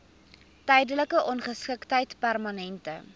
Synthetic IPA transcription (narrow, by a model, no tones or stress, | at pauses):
tɛjdələkəʔɔnχəskəktɦəjtpærmɐnɛntə̰